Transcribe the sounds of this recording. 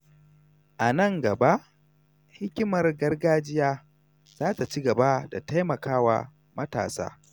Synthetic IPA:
ʔa˨nɐ˦ŋɡɐ˨ba˦ʔ | hɪ˦kʲɪ˦mɐ˨rɡɐ˦rɡaː˦d͡ʒɪ˦jaː˦ | z̥aː˦ta˨t͡ʃi˦ɡɐ˨ba˦da̰˨ta˦jmɐ˨kaː˦wa̰ː˦˨ | mɐ˦ta̰ː˨sa̰ː˦

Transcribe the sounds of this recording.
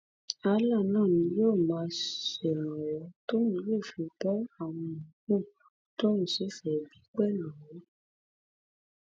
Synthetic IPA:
a˧la˦˨nãː˦˨nĩ˧˦joː˦˨mãː˧ʃɛ˨ɾã˨wɔ˨˦to˦ñũ˧˦le˦˨fĩ˧k͡pɔ˦a˦˨w̃ɔ̃˧ũ˨kõ˦˨ | to˦ñũ˦˨si˨˦fɛ˨bi˨˦k͡pɛ˦˨nã˨wɔ˨˦

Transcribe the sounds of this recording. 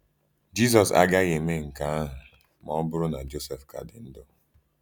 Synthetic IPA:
d͡ʒi˦s̬ɔ˨sa̰˦ɡa˦ɣe˨me˦ŋ̩˨ka˨˦a˦ɦʊ˨ | mɔ˦bʊ˦ɾʊ˦na˨d͡ʒo˦se˨fka̰˨dɪ̰˨n̩˦dɔ˦

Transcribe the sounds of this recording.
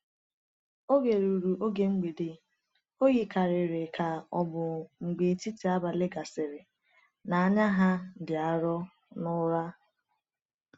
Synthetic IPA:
o˦ɡe˨ɾu˨ɾu˨ʔo˦ɡe˦ŋ͡m̩˦ɡ͡be˨dɪ˨ | o˦ɣi˨ka˨ɾɪ˨ɾe˨kʰa˨ɔ˦bʊ˨ŋ͡m̩˨ɡ͡be˨ti˦ti˨a˦ba˨lɪ˦ɡa˨sɪ˨ɾɪ˨ | na˨a˦ɲa˦ɦa˦dɪ˨a˨ɾɔ˦ | nʊ˦ɾa˦

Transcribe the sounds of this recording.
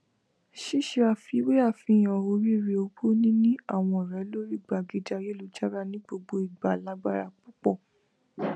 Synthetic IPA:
ʃi˦˨ʃe˧a˧˨fi˨˧˦we˦a˦˨fĩ˨˧˦j̃ɔ˨o˧˦ɾi˦˨ɾe˧o˧bo˦nĩ˦nĩ˦a˦˨w̃ɔ̃˧˨ɾɛ˨˦lo˦ɾi˦˨ɡ͡ba˨ɡi˨˦d͡ʒa˧je˦lu˨˧d͡ʒa˦ɾa˦nĩ˦ɡ͡bo˧ɡ͡bo˧i˨ɡ͡ba˨la˨˦ɡ͡ba˦ɾa˨k͡pu˦k͡pɔ˦˨

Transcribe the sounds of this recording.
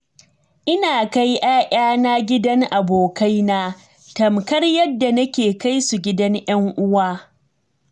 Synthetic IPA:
ʔɪ˦naː˨ka˦jʔaː˦ʔʲʼaː˦naː˦ɡʲɪ˦dɐ˦ŋʔa˨boː˨ka˦jnaː˦ | tɐ˨mkɐ˦rjɐ˦dːa˨nɐ˦kʲeː˨ka˦jsu˨ɡʲɪ˦dɐ˦ŋʔjɐ˦ŋʔʊ˦waː˦

